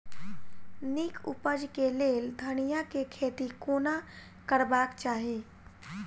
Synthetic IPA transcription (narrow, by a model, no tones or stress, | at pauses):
nikʰṵpəd͡ʒkeleːld̪ʱəñijakekʰeːt̪ikoːna | kəɾbaːkt͡ʃaːɦiː